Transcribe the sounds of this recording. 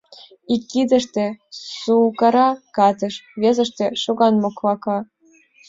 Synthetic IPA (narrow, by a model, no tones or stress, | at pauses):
ikːid̪ə̆ʃt̪ĕsukɑɾɑkɑt̪ɤ̆ʃβʲezə̆ʃt̪ĕʃuɣɑnmoklɑkɑ